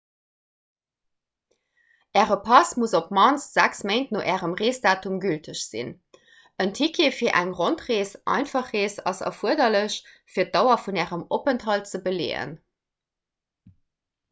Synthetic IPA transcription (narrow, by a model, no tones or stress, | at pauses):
ʔɛːʁəpʰɑsmuzop̚mɑnsz̥æksmentnoːʔɛːʁəmʁeːsd̥aːtumɡyltʰəɕz̥ḭn | əntʰikʰefiːɐʔæŋʁontʁeːsʔɑ̰ɪnfɑχeːsɑ̰sɑ̰fuəɐdɐləɕ | fiːɐt̚dɑʊɐfunɛːʁəmopəntɦɑlt͡səbəlḛːə̰n